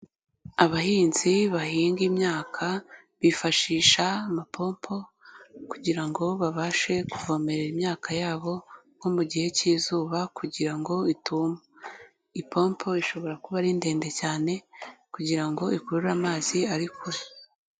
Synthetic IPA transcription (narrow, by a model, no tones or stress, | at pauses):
aβahiːnziβahiːŋɡimɲaːkʰa | βifaʃiːʃaːmapʰo̞ːmpʰo̞kuɟiɾaŋɡo̞βaβaʃe̞kuvo̞ːme̞ɾeɾimɲaːkʰajaːβo̞ŋɡomuɟihe̞ciːzuːβakuɟiɾaŋɡo̞ituːma | ipʰo̞ːmpʰo̞iʃo̞βo̞ɾakuβaɾinde̞ːnde̞caːne̞kuɟiɾaŋɡo̞ikuɾuɾuɾamaːziaɾikʰuɾi